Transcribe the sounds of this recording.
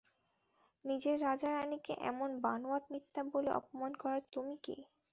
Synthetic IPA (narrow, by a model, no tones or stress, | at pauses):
nid͡ʑeɾːad͡ʑaɾanikḛʔɛ̰monbanoaʈnit̪ːaboleʔɔ̰pomankɔɾat̪umikḭ